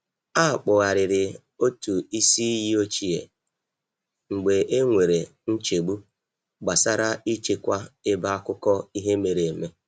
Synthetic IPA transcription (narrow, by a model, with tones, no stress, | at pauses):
a˦˨k͡pʊ˨ɣa˨ɾɪ˨ɾɪ˨ | o˦tu˨i˦si˦i˦ji˦o˦t͡ʃi˦ḛ˨ | ŋ͡m̩˨ɡ͡be˨ʔe˦ŋʷe˨ɾe˨ | n̩˦t͡ʃe˨ɡ͡bu˦ | ɡ͡ba˨sa˦ɾa˦i˦t͡ʃe˦kʷa˦ɪ˦ba˦a˦kʊ˦kɔ˦i˦ɦe˦me˨ɾe˨me˦